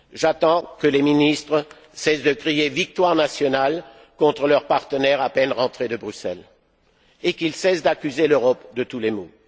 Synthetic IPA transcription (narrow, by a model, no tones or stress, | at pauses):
ʒat̪ɑ̃kəleminist̪χə | sɛsd̪əkχievik̚t̪waʁnasjɔnal | kɔ̃t̪χəlœʁpaʁt̪ənɛʁapɛnʁɑ̃t̪χed̪əbʁysɛ̰l | ekilsɛsd̪akʲyzeløʁɔpd̪ət̪ulemo